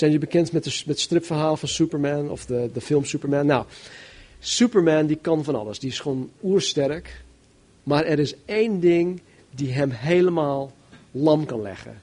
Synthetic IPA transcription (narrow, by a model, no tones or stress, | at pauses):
sɛjnjəbəkɛntmɛtdəmɛtstrɪpfərɦaːləfɔnsupəɹmɛnɔ̰fdədəfɪlˠmsupəɹmɛnːaw | supəɹmɛndikɑnfɔnɑ̰lˠəsdiɪsxonuərstɛrək | maːɾɛɾɪseːndɪŋ | diɦɛmɦejləmaːlˠ | lɑmkɑnlɛ̰xə̰